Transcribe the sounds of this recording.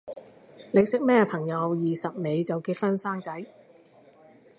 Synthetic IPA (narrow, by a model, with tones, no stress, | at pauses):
lɪ˨k̚sɪ˨˥k̚mɛː˥pʰɐ˨˩ŋjɐ˨˧wjiː˨sɐ˨p̚me˨˧jt͡sɐ˨wkiː˧t̚fɐ˥nsaː˥ŋt͡sɐ˨˥j